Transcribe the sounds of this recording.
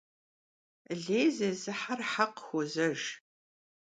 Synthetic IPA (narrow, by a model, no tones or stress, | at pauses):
ɮeːzɐzɨħarħaqxʷɔzɐʒ